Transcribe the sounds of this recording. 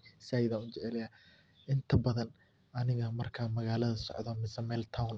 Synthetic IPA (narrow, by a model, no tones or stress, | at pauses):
saːjðaːʊt͡ʃɛʕɛlɐjaː | ʔɪnt̪ʰɐbɐðɐn | ʔɐnɪɣɐmɐrkʰaːmɐɣaːlɐðɐsɔ̰ʕd̪ɔmɪsɛmɛlt̪ʰawn